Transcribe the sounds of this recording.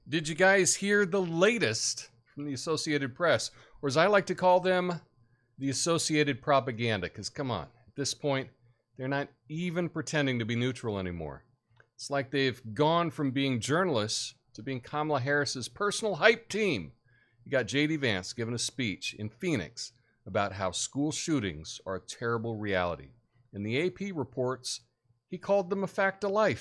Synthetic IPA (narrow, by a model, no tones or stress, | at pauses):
d̥ɨd͡ʒɨɡaɪz̥hiɹðəleɪɾɨst | fɹʌ̃mðiɨsoʊsieɪɾɨd̚pʰɹ̥ɛs | ə˞ɨzaɪlaɪk̚tʰɨkʰɔlˠðɨ̃m | ðiɨsoʊsieɪɾɨd̚pʰɹ̥ɑpɨɡæ̃ndɨkʰʌz̥kʰʌ̃mə̰̃n̩ɨt̪̚ðɪspʰɔ̃ɪ̃n | ðə˞nəɾ | ivɨ̃npʰɹ̥ɨtʰɛ̃ndɪ̃ŋtɨbinʉt͡ʃɹ̥l̩ˠɛ̰nimɔ̰ɹ | ɨtslaɪk̚ðeɪvɡɔ̃nfɹʌ̃mbiɪ̃ŋd͡ʒɜ˞nl̩ˠəstʰɨbiɪ̃ŋkʰɑmlˠəɦɛɹɨsɨz̥pʰɜ˞sn̩l̩ˠɦaɪp̚tʰĩm | hiɡɑt̚d̥ʒ̥eɪɾivæ̃nsɡ̥ɪvə̃nɨspit͡ʃɨ̰̃nfĩnɨ̰ks | əbaʊt̚ɦaʊskulˠʃʉɾɪ̰̃ŋz̥ə˞ɨtʰɛɹɨbl̩ˠɹiælˠəɾḭ | ɨ̃nðieɪpʰiɹɨpʰɔɹts | hikʰɔlˠd̪̚ðə̃məfæk̚təlaɪf